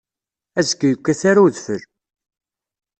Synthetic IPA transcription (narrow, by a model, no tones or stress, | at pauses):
æzəkːjəkʷːæθaɾaðfəl